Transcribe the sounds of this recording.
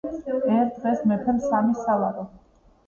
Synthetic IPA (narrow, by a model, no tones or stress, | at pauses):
ɛɾd̪ʁɛsmɛpʰɛlsamisavaɾɔ